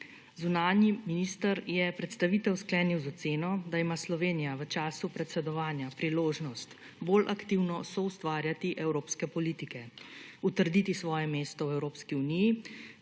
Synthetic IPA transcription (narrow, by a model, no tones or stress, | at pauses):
zunaːnjiminist̪əɾjɛpɾɛt̪st̪aʋit̪ɛwsklɛːniwzɔt̪seːnɔd̪aimaːslɔʋeːnijaʋət͡ʃaːsupɾɛt̪sɛd̪ɔʋaːnjapɾiloːʒnɔst̪ | bolʔakt̪iwnɔsɔwst̪ʋaːɾjat̪iʔɛwɾoːpskɛpɔliːt̪ikɛut̪əɾd̪iːt̪isʋɔːjɛmeːst̪ɔwɛwɾoːpskiuniji